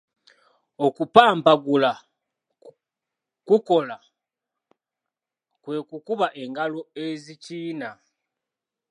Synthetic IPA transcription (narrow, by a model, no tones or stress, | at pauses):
o̞kupaːmpaɡula | kuko̞la | kwe̞ːkukuβaʔe̞ŋɡalo̞eziciːna